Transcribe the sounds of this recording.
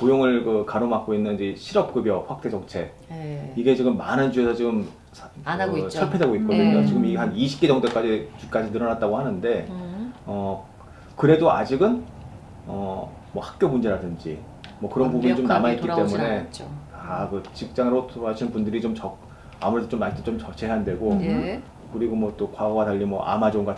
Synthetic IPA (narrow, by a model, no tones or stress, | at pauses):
kojoŋɯɭkɯkaɾomak͈oinːɯnd͡ʑiɕʰiɾʌp̚k͈ɯbjʌɸwak̚t͈e̞d͡ʑʌŋt͡ɕʰe̞ | iɡe̞t͡ɕiɡɯmːanɯnd͡ʑue̞sʰʌt͡ɕiɡɯmʰ | nɯsʰʌɭpʰe̞de̞ɡoit̚k͈omɯɲot͡ɕiɡɯmihaniɕʰi̥p̚k͈e̞d͡ʑʌŋtʰek͈ad͡ʑit͡ɕuk͈ad͡ʑinɯɾʌnat̚t͈aɡohanɯnde̞ | ʌ | kɯɾe̞doad͡ʑiɡɯn | ʌ̰ | mʌhḁk̚k͈jomund͡ʑe̞ɾadɯnd͡ʑḭ | mwʌkɯɾʌnpubunit͡ɕomnamaitk͈itt͈e̞mune̞t͡ɕ | akɯt͡ɕik̚t͡ɕ͈aŋɯɾotʰɯɾɦaɕʰinnpundɯɾit͡ɕomt͡ɕʌ | amuɾe̞dot͡ɕomatʰet͡ɕomt͡ɕʌt͡ɕʰeɦɦandwe̞ɡo | kɯɾiɡomwʌt͈okwaɡʌɡataʎːimwʌʔa̰mad͡ʑoŋɡa